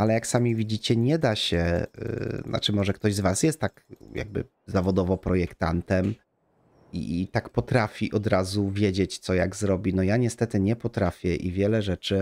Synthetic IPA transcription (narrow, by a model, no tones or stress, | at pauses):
alɛjaksamʲivʲid͡ʑit͡ɕɛɲɛd̪aɕɛ̰ | na̰t͡ʂɘmɔʐɛkt̪ɔʑzvasjɛst̪ːakja̰ɡ̚bɘ̰ | zavɔd̪ɔvɔpɾɔjɛkt̪ant̪ɛm | ḭt̪akpɔt̪ɾafʲiʔɔd̪ɾazuvʲjed͡ʑet͡ɕt̪sɔjaɡzɾɔbʲinɔjaɲɛst̪ɛt̪ɘɲɛpɔt̪ɾafʲjɛʔḭvʲjɛlɛʐɛt͡ʂɘ